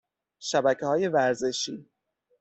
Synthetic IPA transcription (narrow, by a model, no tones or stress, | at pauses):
ʃæbæcʰehɒːje̞væɾze̞ʃiː